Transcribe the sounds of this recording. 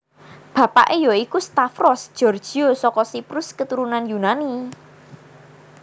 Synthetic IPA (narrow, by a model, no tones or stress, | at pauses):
b̥ä̤pa̰ʔejɔikust̪afɾɔsd̥ʒ̥ɔ̤rd̥ʒ̥i̤osɔkɔsipɾʊskət̪uɾunanjunani